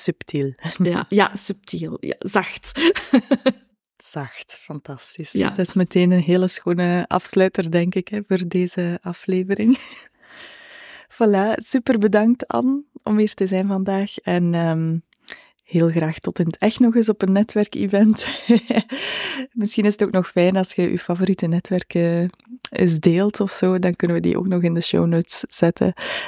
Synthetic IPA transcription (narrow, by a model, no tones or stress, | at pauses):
syptʰilja̰syp̚tʰilˠja̰zɑxt | z̥ɑxtfɑntɑstisdɪsməteːnənɦeːləsxoːnəʔɑ̰fslœːtərdɛŋkɪkɛvoːrdeːzəʔɑfleːvəɾɪŋ | fɑlaːsypərbədɑŋk̚tɑ̰nɔ̰miːrtəzɛjnvɑndaːxɛnəːm | heːlˠɣraːxtɔtɪnətɛxtnɔɣɪs̬ɔpənːɛtʋɛrkḭvɛnt | mɪsxinɪzətoːknɔxfɛjnɑlˠsxəʔy̰wfavoɾitənɛtʋɛrkə | ɪ̰zdeːlˠtɔfsoːdɑnkɵnəʋədḭʔo̰ːknɔxɪndəʃo̰wnoːtsz̥ɛtʰə̰